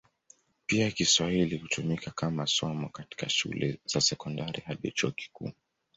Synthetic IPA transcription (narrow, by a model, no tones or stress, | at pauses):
piakiswahilihutumikakamasɔmɔkati̥kaʃṵlɛz̥asɛkɔndaɾihaɗḭt͡ʃɔɔki̥kṵː